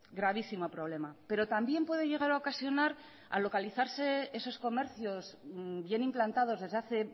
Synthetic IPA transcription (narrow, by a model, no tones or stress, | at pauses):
ɡɾaβ̞isimo̞pɾo̞β̞le̞mape̞ɾo̞t̪ambje̞mpwe̞ð̞e̞ʝe̞ɣ̞aɾaokasjo̞naɾ | a̰lo̞kaliθaɾse̞e̞so̞sko̞me̞ɾθjo̞zbje̞nimplant̪að̞o̞zðe̞zðaθe̞